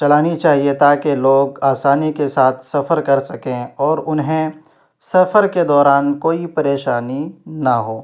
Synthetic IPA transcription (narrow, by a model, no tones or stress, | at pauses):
t͡ʃɐlaːnit͡ʃaːɦiet̪aːkeloːɡaːsaːnikesaːt̪ʰsɐfəɾkɐɾsɐkẽɔːɾʊnɦẽ | sɐfəɾked̪ɔːɾaːnkoːipɐɾeːʃaːninaɦoː